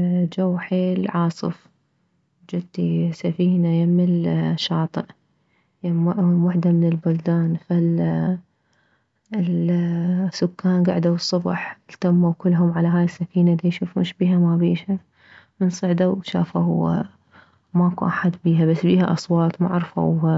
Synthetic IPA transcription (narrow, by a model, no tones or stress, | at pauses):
d͡ʒawːħeːlʕɑːsˤɨ̰f | d͡ʒɪt̪ːisafiːnajamɪlʃɑːt̪ˤɨʔ | jamʔwaħd̪amɪnɪlbʊld̪aːnfal | sʊkːaːnɡa̰ʕd̪awsˤːʊbħlt̪amːawkɪlːɦʊmʕalaɦaːjɪsːafiːnaʔd̪ijʃuːfṵːnʃbiːɦamabiːʃa | mɪnsˤɨʕd̪awʃa̰ːfahʊwa̰ | makuʔaħad̪biːɦabasːbiːhaʔɑsˤwɑːt̪ˤma̰ʕɾfa̰w